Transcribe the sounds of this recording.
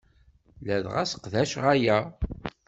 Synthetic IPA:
læðʁæsə̥qðæʃʁæjæ

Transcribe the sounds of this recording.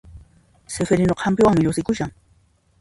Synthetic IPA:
sefeɾɪnoqʰampɪwaŋmɪʎʊsɪkʊʃaŋ

